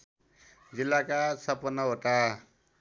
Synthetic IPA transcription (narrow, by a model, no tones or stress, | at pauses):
d͡zilːakasʌpʌnʌɦoʈa